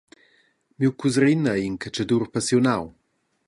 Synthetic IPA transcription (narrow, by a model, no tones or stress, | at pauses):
miwkuzɾinainkʰat͡ʃadurpasjonaw